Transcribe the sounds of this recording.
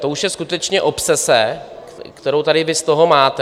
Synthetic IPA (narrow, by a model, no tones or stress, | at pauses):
t̪o̞uʃjɛskut̪ɛt͡ʃɲɛʔo̞psɛsɛ | kt̪ɛɾowt̪aɾɪvɪst̪o̞ɦomaːt̪